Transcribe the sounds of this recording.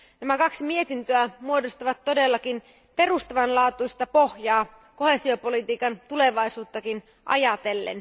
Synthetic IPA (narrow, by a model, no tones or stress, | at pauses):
næmækɑksimie̞t̪int̪øæmuo̞dost̪ɑʋɑt̪ːo̞delːɑkin | pe̞rust̪ɑʋɑnlɑːt̪uist̪ɑpo̞hjɑː | ko̞he̞sio̞po̞lit̪iːkɑnt̪ule̞ʋɑijsuːt̪ːɑkin | ʔɑ̰jɑt̪e̞lːḛn